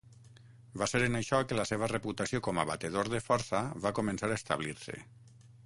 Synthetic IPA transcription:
baseɾenaʃɔkelaseβ̞əreput̪asiokɔmaβat̪eð̞oɾðefɔɾsaβakomensaɾaest̪a̰β̞liɾsḛ

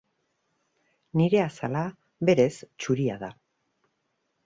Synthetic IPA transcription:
niɾe̞asala | βe̞ɾe̞st͡ʃuɾiaða

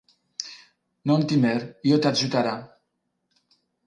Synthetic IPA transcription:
nont̪imɛɾiot̪aʒut̪aɾa

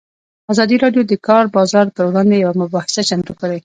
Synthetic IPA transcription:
azɑd̪iɾɑɖjod̪əkɑɾbɑzɑɾp̪əɾwɽɑnd̪ejawamʊbɑhɪ̥sat͡ʃant̪ukaɽe

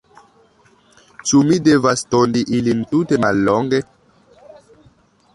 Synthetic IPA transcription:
t͡ʃumidevastondiʔilintutemalːoŋɡe

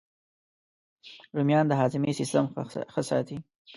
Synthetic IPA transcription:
ɾumjɑnd̪əɦɑzɪmisɪst̪əmxəsɑ̰t̪i

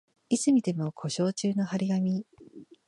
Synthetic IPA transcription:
isɨmʲid̪e̞mo̞kʰo̞ɕo̞ːt͡ɕɨːno̞haɾʲiɡamʲi

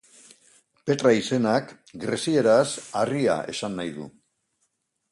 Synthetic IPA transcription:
pe̞t̪ɾaise̞nak | ɡɾesie̞ɾasaria̰ʔe̞̰sanːajðṵ

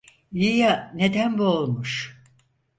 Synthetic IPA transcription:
jijaned̪ænbuolˠmuʃ

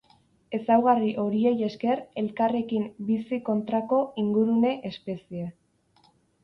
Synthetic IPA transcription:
e̞sawɣariʔo̞ɾie̞je̞ske̞re̞lkare̞kimbisiko̞nt̪ɾako̞iŋɡuɾune̞ʔespe̞sie

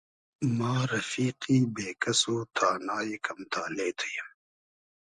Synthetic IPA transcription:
maːɾɐfiːqiːbeːkɐsoːt̪ʰaːnaːikɐmt̪ʰaːleːt̪ʰu̥jɐm

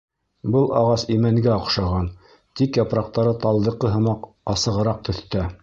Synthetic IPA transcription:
bɤlˠɑ̰ʁɑsimæŋɡæɑqʃɑʁɑn | t̪ikjɑpɾɑq̚t̪ɑɾɤt̪ɑlˠd̪ɤ̆qːɤɦɤ̆mɑq | ɑsɤ̆ʁɤ̆ɾɑq̚t̪ɵ̆θt̪æ

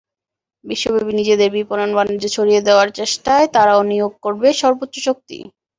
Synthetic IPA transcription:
biʃːobʱabinid͡ʑed̪eɾbipononbanud͡ʑet͡ɕʰoɾijed̪eoaɾt͡ɕeʃʈaet̪aɾaonijoɡ̚koɾbeʃɔɾbot̪ːʃoʃok̚t̪ḭ

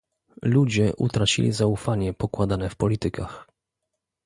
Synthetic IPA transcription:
lud͡ʑɛʔṵt̪ɾat͡ɕḭlʲḭzaufaɲɛpɔkwad̪anɛfpɔlʲit̪ɘkax

